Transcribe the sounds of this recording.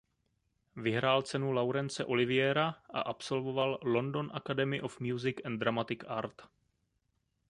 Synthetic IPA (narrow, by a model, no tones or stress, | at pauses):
vɪɦɾaːlt͡sɛnulawɾɛnt͡sɛʔo̞lɪvɪjɛɾaʔa̰ʔapso̞lvo̞vallo̞ndo̞nʔakadɛmɪʔofmjuːzɪkʔɛnd̪ɾamat̪ɪkaːɾt̪